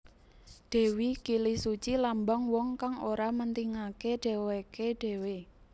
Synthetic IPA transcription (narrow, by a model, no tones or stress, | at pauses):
ɖ̥e̤wikilisut͡ʃilambaŋwɔŋkaŋoɾamənt̪iŋakeɖ̥ɛ̤wekeɖ̥e̤we